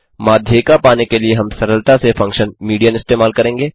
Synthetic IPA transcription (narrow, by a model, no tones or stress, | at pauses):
maːd̪ʱjekapaːnekelieɦɐmsɐɾəlt̪asefɐ̃ŋkʃənmiːɖijənɪst̪eːmaːlkɐɾẽːŋɡeː